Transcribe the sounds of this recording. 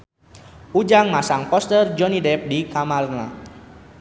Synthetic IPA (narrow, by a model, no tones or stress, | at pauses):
ud͡ʒaŋmasaŋpɔst̪ərd͡ʒɔnidɛp̚dikamarna